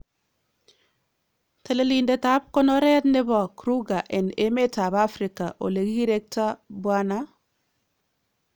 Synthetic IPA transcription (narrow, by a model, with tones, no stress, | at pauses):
te˨le˦li˨nde˨ta˦p̚ko˦no˦ɾe˦a˦t̪ne˦bɔ˨kɾu˦ɡa˨ʔe˨ne˦me˦ta˨ba˦fɾɪ˨ka˨ʔo̰˨le˨ɡi˦ɡi˦ɾe˦k̚ta˦bwa˦na˦